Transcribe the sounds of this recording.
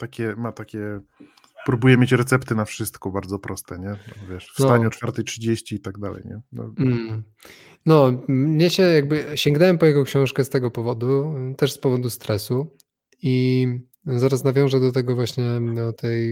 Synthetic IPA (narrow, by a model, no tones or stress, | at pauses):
t̪akʲɛmat̪akʲɛ | pɾubujɛmʲet͡ɕɾɛt̪sɛpt̪ɘnafʂɘst̪kɔbaɾd̪zɔpɾʔɔst̪ɛɲɛnɔvʲjɛʂfst̪aɲɛɔt͡ʂfaɾt̪ɛjtʂɘd͡ʑeɕt͡ɕiːt̪aɡ̚d̪alɛ̰jɲɛnɔ̰m̩ | nɔɲɛɕɛjaɡ̚bɘɕɛŋɡnɛwɛmpɔjɛɡɔkɕɔ̃w̃ʂkɛst̪ɛɡɔpɔvɔd̪ut̪ɛʂspɔvɔd̪ust̪ɾɛsu | i | zaɾasnavʲjɔ̃w̃ʐɛd̪ɔt̪ɛɡɔvwaɕɲɛd̪ɔt̪ʰɛj